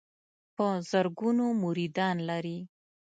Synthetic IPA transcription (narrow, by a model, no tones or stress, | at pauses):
pəzəɾɡunomuɾid̪ɑnlaɾi